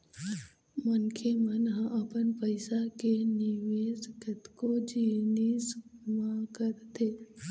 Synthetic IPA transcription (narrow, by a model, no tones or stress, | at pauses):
mənkʰemənɦə̃ʔəpənpəɪsakenɪʋeːsɡət̪kod͡ʒiːnismãkəɾt̪ʰeː